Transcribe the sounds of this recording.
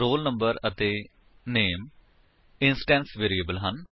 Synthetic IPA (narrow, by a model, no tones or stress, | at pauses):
ɾoːlnə̃mbəɾət̪eː | neːm | ɪnsʈɛ̃ːnsʋeːɾiːəbəlɦən